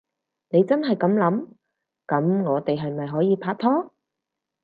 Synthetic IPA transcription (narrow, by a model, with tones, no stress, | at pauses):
ne˨˧jt͡sɐ˥nɦɐ˨jkɐ˨˥mlɐ˨˥m | kɐ˨˥mŋɔː˨˧t̪e˨jɦɐ˨jmɐ˨jɦɔː˨˥jiː˨˧pʰaː˧t̚t̪ʰɔː˥